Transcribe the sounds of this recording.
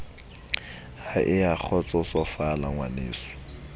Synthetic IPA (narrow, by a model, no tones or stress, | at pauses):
haʔɪak͡xʰɔt͡sʼɔsɔfalaŋwanḛːsɔ̥